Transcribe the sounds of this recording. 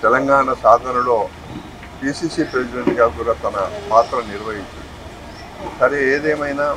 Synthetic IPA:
t̪ɛlɐŋɡaːɳɐsaːd̪ʱɐnulo̞ː | piːsiːsiːpɾesideɳʈɡaːkuːɾaːt̪ɐnɐpaːt̪ɾɐniɾʋɐɦiɲt͡ʃind̪i | sɐɾeeːd̪eːmɐjnaː

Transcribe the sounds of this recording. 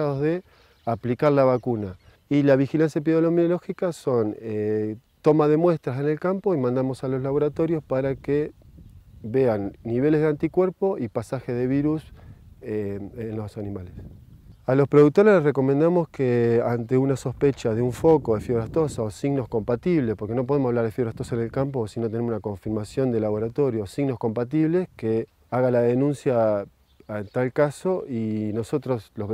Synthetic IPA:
aðoðe̞ | aplikaɾlaβakuna | ilaβ̞ixilansjap̬eðolominolo̞xikaso̞ne | t̪o̞maðe̞mwe̞st̪ɾase̞ne̞lkampo̞imãnd̪amo̞salo̞zlaβo̞ɾat̪oɾjo̞spaɾake | βe̞anːiβ̞e̞le̞zðeant̪ikwe̞ɾpo̞ipasaxeðe̞β̞iɾuseenlosanimalesalo̞spɾoðuk̚t̪o̞ɾe̞lereko̞mẽnd̪amo̞skeant̪eunaso̞spet͡ʃaðeuɱfo̞ko̞ðefjoβɾaht̪o̞saosiɣno̞sko̞mpat̪iβlespo̞ɾkeno̞p̬o̞ð̞emsaβlaɾðefjoɾaht̪osaene̞lkampo̞sinot̪enemsunako̞ɱfiɾmasjo̞nd̪elaβo̞ɾat̪o̞ɾjo̞siɣno̞hko̞mpat̪̬iβle̞ske | aɣalaðe̞nũnsja | ent̪alkaso̞ʔino̞so̞t̪ɾo̞slo

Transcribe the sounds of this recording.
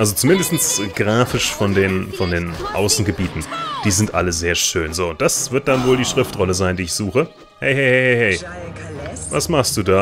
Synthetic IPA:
ʔalzot͡sumɪndəstn̩sɡʁaːfɪʃfɔndeːnfɔndeːnʔa̰ʊsn̩ɡəbiːtn̩d̥iːzɪntʔa̰ləzeːɐʃøːnzoːʊnt̚d̥asv̥ɪɐt̚d̥anvoːldiːʃʁ̥ɪftʁɔləzaɪndiːɪçz̥uːxə | hɛɪhɛɪhɛɪhɛɪhɛɪ | vasmaχstd̥uːdaː

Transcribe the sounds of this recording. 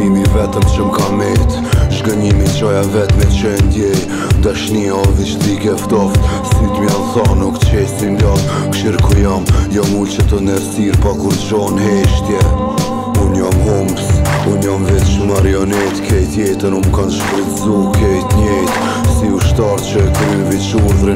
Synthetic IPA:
imivɛt̪əmt͡ʃəmkamɛt̪ | ʒɡəɲimit͡ʃɔjavɛt̪mɛt͡ʃɛnd̪jɛ | d̪aʃniaɔvit͡ʃ̪dikɛft̪ɔft̪sit̪mianθanuk̪t͡ʃɛsind̪av | kʃiɾkʰɔjamjɔmult͡ʃat̪ɔnɛɾsiɾpakuɾd͡ʒɔnɦɛʃt̪jɛ | unjɔmhumpsunjɔmvit̪t͡ʃmaɾiɔnɛt̪kʰɛjt̪jɛt̪əɾumkanʒbɾət̪zukʰɛjt̪ɲɛjt̪ | siuʃt̪aɾt̪t͡ʃət̪ɾimviʃuɾðɾə

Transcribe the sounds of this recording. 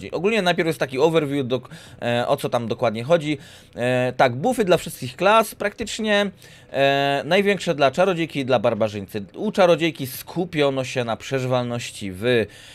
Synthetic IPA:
d͡ʑḭjʔɔɡulɲɛnajpʲɛɾfjɛst̪ːakʲiɔvɛɾvʲjud̪ɔʔɔ̰t̪sɔt̪amd̪ɔkwad̪ɲɛxɔd͡ʑi | t̪aɡbufɘd̪lafʂɘst̪̚kʲixklaspɾakt̪ɘt͡ʂɲɛ | najvʲjɛŋkʂɛd̪lat͡ʂaɾɔd͡ʑejkʲid̪labaɾbaʐɘɲʲt̪sɘut͡ʂaɾɔd͡ʑejkʲiskʰupʲjɔnɔɕɛnapʂɛʐɘvalnɔɕt͡ɕivɘ

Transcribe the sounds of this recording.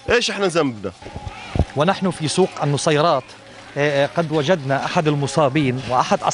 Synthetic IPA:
ʔeːʃʔɪħnazambna̰ | wɪnaħnʊfisuːqanːʊsˤɑjɾˤɑːt̪ | qɑd̪wad͡ʒad̪naʔaħad̪ɪlmʊsˤɑːbiːnwɪʔaħad̪ʔɑ̰

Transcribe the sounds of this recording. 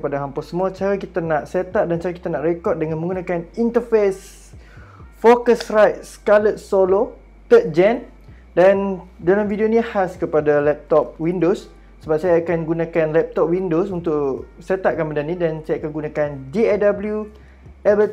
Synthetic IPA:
kəpadaɦampasəmũat͡ʃaɾakit̪anaʔset̪aʔ̚dant͡ʃaɾaki̥t̪anaʔrekɔrt̪̚dəŋãnmə̃ŋɡunãkanint̪əfes | fokəsrajt̪̚skalət̪̚solo | t̪ət̪̚d͡ʒɛn | dandalamvidionĩhaskəpadalɛp̚t̪ɔp̚windosː | əbap̚sajaːkanɡunãkanlɛp̚t̪ɔp̚windosunt̪ʊʔset̪aʔ̚kanmədanĩdansajaakanɡunãkandiɛdabəlju | ɛbə

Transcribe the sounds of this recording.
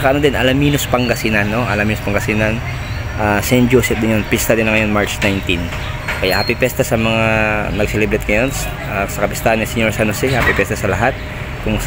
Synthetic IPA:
ɐkɐʔɐnod̪ɪnʔɐlɐmiːnospɐŋɡɐsinanːoʔɐlɐmiːnospɐŋɡɐsinɐn | ʔaːsɛnd͡ʒosɛp̚d̪ɪnjonpɪst̪ɐd̪ɪnlɐŋɐjo̞nmaɹt͡ʃnajnt̪in | kɐjaʔhɐpɪpɛst̪ɐsɐmɐŋaanɐɡsɛlɛbɾɛt̪̚ŋɐjons | ʔasɐkɐpɪst̪ahɐnːɪsɛɲoɹsɐnosɛapɪpjɛst̪ɐsɐlɐɦat̪̚ | kʊŋ

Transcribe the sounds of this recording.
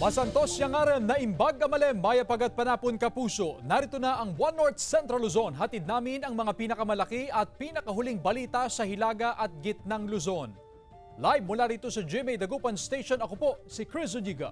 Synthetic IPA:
mɐsɐnt̪o̞sjɐŋaːɾɐwnɐʔɪmbaɡɐmɐlɛmːaːjɐpɐɡad̪̚pɐnaːponkɐpuːso̞nɐɾɪt̪onaʔɐŋbwanːoɹt̪̚sɛnt̪ɾɐlʊzo̞nɦɐt̪id̪̚naːmɪnɐŋmɐŋapiːnɐkɐmɐlɐkiʔɐt̪̚piːnɐkɐɦʊliŋbɐliːt̪ɐsɐhɪlaːɡɐʔɐt̪̚ɡɪt̪̚naŋlʊzo̞n | lajbmːʊlaɾiːt̪o̞sɐd͡ʒimɛjd̪ɐɡupɐnst̪ejʃonɐkopo̞sikɹɪs̬oliɡɐ̰

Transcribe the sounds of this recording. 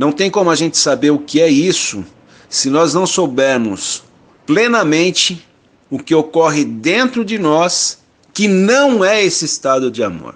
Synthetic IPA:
nɐ̃w̃t̪ẽj̃kõmʊaʒẽnt͡ʃɪ̥sabeɾʊkɪɛisʊ̰ | sɪnɔznɐ̃w̃sowbɛɾmʊs | plenɐmẽnt͡ʃɪ | ʊkɪokɔɦɪd̪ẽnt̪ɾʊd͡ʒɪnɔs | kɪnɐ̃w̃ɛesɪːst̪ad̪ʊd͡ʒɪamo̰ɾ

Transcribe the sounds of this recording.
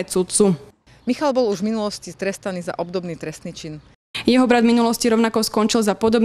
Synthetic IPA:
sut̪t͡su | mixalbɔluʒvminulɔscist̪ɾɛst̪aniːza̰ʔɔbd̪ɔbniːt̪ɾɛst̪niːt͡ʃin | jɛɦɔbɾad̪vminulɔsciɾɔʊnakɔskɔnt͡ʃilzapɔd̪ɔb

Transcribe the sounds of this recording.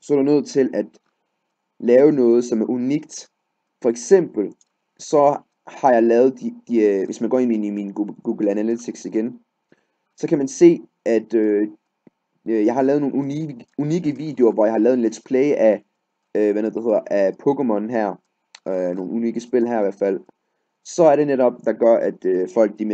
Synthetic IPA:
sɒ̽ɐɾunøð̞̰ˠt͡sʰe̝læd̥ | lɛːʊnɔ̽ːð̞̩ˠsɒ̽mæɐʔuniɡ̥d̥ | fɒ̽eɡ̥sem̰b̥l̩ | sɒ̽ | hɑ̈jɑ̈ɪlɛːð̞̩ˠd̥id̥iʋe̝smænɡ̥ɒ̰ːeiiniminɡ̥uːɡ̥l̩ænælit͡sʰiɡ̥siɡ̥en | sɒ̽kʰæmænse̝̰ː | ʔæd̥ø | jɑ̈ɪɦɑ̈lɛːð̩ˠno̝ːnuuniɡ̥əʋḭːd̥eoɐʋɒjɑ̈hɑlɛːðˠenle̝d̥pʰlɛːɪəʔæ | øʋænoðˠd̥ehe̝ð̰ˠɐʔæpʰɔɡ̥emɔ̽nɦæɐ̰ | no̝ːn̩uniːɡ̥əsb̥e̝lɦæɐiʋæɐ̥fæl̰ | sɒ̽æɐɾ̥e̝neɾɒ̽b̥̚d̥ɑ̈ɡ̥ɶɐʔæd̥øfɒ̽l̰ɡ̥̚d̥i

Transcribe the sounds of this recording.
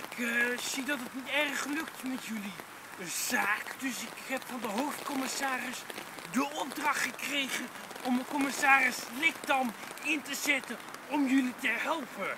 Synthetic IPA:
ɪkz̥idɑtətnitɛrχːəlɵktmɛtjɵli | z̥aːkdɵsɪkɦɛpfɑndəɦowftkɔmɪsaːrɪsdəʔɔb̚drɑχtχəkrejχən | ɔməkɔmɪsaːrɪslɪkdɑm | ɪntəzɛtəɔmjɵlitəɦɛlˠpə

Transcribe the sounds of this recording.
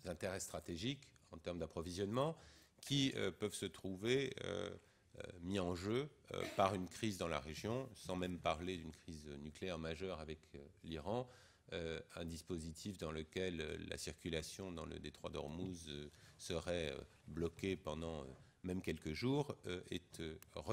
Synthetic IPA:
zɛ̃t̪eʁɛst̪χat̪eʒikɑ̃t̪ɛʁmd̪apχɔvizjɔnmɑ̃kʲʰiø̰pœvsət̪χuveø̰ | miɑ̃ʒøø̰paʁynkχizd̪ɑ̃la̰ʁeʒjɔ̃sɑ̃mɛmpaʁled̪ynkχiznykleɛʁmaʒœʁavɛkliʁɑ̃ | øɛ̃d̪ispozit̪ʰifd̪ɑ̃ləkʲɛl̰ːa̰siʁkʲylasjɔ̃d̪ɑ̃lə̰d̪et̪χwa̰d̪ɔ̰ʁmuzøsəʁɛø̰ | blɔkʲepɑ̃d̪ɑ̃ø̰ | mɛmkʲɛlkəʒuːʁɛt̪øʁə

